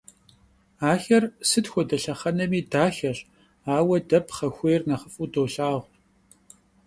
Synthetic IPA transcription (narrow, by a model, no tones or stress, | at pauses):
aːxɐrsɨtxʷɔdɐɬɐχɐnɐmiːdaːxɐɕ | aːwɐdɐpʰχɐxʷeːrnɐχəfʼudoːɬaːʁʷ